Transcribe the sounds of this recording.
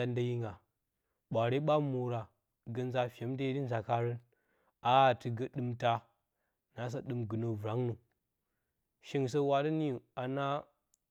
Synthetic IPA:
a˨nda˦ji˦ŋɡa˨ | ɓʷa˨ɾe˦ɓa˦mu˨ɾa˨ | ɡɐ˨n˦za˦fʲe˨˦mde˦ji˦ɾi˦nza˨ka˦ɾə˦n | a˦˨tɨ˨ɡɐ˦ɗɨ˦mta˦ | na˨˦s̬a˦ɗɨ˦mɡɨ˨no˨vɾa˨˦ŋnu˨ | ʃi˦ŋ˨s̬ə˦wa˨di˦ni˦˨a˨na˦

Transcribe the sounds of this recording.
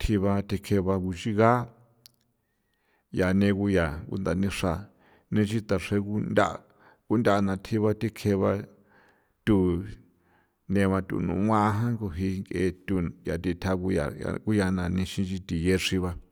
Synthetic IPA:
t̪ʰi˧βa˧t̪i˧kʰe˧βa˧ku˧t͡ʃi˦ɣa˦ | ja˨nẽ˧ku˧ja˨ŋɡṵ˦nd̪a˨nĩ˧ʂa˧˨ | nẽ˧t͡ʃi˦t̪a˨ʂe˧ku˦nd̪ʲa˦˧˨ | ku˦ndʲa˦˨˧nã˨t̪ʰi˧βa˧t̪i˦kʰe˧βa˧ | t̪u˦˨ | nẽ˧βã˧t̪ṵ˧˨nṵ̃˨ŋã˦˧ɦã˦ŋɡo˧ɦi˧ŋɡe˧t̪u˧˨ja˨t̪i˧t̪ʰa˧ku˧ja̰˨a̰˧ku˦ja˧nã˨nĩ˧ʃĩ˧t͡ʃi˧t̪i˨je˧ʂi˧βa˧

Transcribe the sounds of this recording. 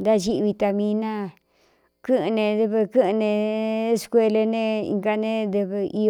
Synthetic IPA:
d̪a˦ʒi˦ʔβi˧t̪a˧mĩ˧nã˦˨ | kɨ˦ʔnẽ˧ðɨ˧βɨ˧kɨ˦ʔɨ̃˧nẽ˧˦skʷe˧le˧nẽ˦ḭ˧ŋɡa˧nẽ˦d̪ɨ˧βɨ˧i˧

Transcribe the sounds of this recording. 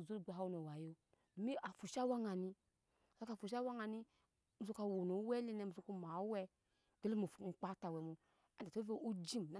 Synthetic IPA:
zu˦˨ɡ͡ba˨a˦wno˨wa˨jo˦ | o˨mi˦a˨fu˨ʃa˦wa˦ŋa˨ni˧˨ | a˦ka˨fu˨ʃ̬a˦wa˦ŋa˨ni˦ | m̩˨zo˦ka˧wo˨no˨˦wɛ˦le˦ne˨mu˨zo˧˦ku˦ma˨˦wɛ˦ | ɡe˦lo˦mu˨fŋ͡m̩˨k͡pa˦ta˨wɛ˨mu˨ | a˦˨a˨o˦ve˦u˦d͡ʒi˦m˨na˦

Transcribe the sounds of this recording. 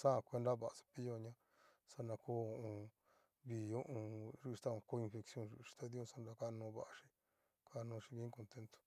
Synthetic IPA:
sã˦˧˨kʷe˧nd̪a˦βa˨a˨sḁ˧pi˦jo˧ɲã˦ | sa˦˧nã˧ko˦˧õ˧ | βi˧˨o˦ʔũ˧ʐu˦˧ʃt̪a˦õ˧ko˦˧ĩ˧nfe˧ksjõ˦nʒṵ˨˧ʃi̥˧t̪a˦ði˦õ˦˧sa˧nda˧ka˦˧nõː˧˦βa˧ʔa˧ʃi̥˧ | kʰa˦˧nõː˧ʂi˧βĩ˧˦ko˧nt̪e˧nt̪o̥˧

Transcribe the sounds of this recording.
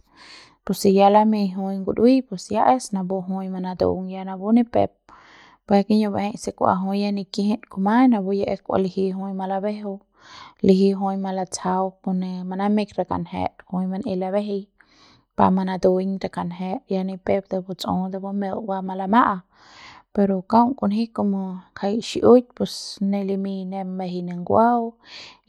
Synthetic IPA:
pu˧si˧ja˧la˦mi˧jɦũ˧jŋɡu˧d̪wi˦pe˧sja˦ʔe˦sna˧bu˧ɦũ˧jma˧na˧d̪ṵ˧ŋja˧na˧bu˦ni˦pḛ˧p̚ | bʷe˧ki˦ɲo˧be˧hẽ˧jse˧kʷa̰˧ɦũ˧jja˧ni˧ki˦hẽ˦ʔku˧ma˦jna˧bu˧jaʔe˧kʷa̰˧li˧hi˧ɦũ˧jma˧la˧be˦ɦo˧ | li˧ɦi˧ɦu˧jma˧la˧t͡sa˧wko˧ne˧ma˧na˦me˦˧kɾa˧ka̰˨nhḛ˧ɾhũ˧jma˧ne˧la˧βe˦ɦe˧j | pa̰˧ma˧na˧d̪u˧ɲɾa˧ka˧˨nɦe˧ja˧ni˧pe˦b̚d̪e˧bu˧t͡sõ̰˧d̪a˧bo˦me˧wwa˧ma˧la˧ma˦ʔa˧ | pe˧ɾo˧ka˦wŋku˧nhi˦ko˧mo˧kʰa˧jʃi˧ʔu˦t̪̚pe˧sne˧li˧mi˧ne˧be˧ɦi˧ne˧ŋɡʷa˦w

